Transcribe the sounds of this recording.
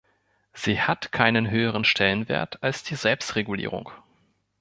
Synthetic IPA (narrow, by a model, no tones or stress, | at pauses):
z̥iːhatkʰaɪnənɦøːəʁ̞ənʃtʰɛlənvḛːɐtʰalsd̥iːzɛlpstʁeɡulḭːʁ̞ʊ̰ŋ